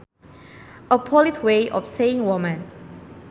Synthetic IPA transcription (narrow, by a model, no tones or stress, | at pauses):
əpʰɔlitʰweʔɔ̰fseĩŋwɔmə̃n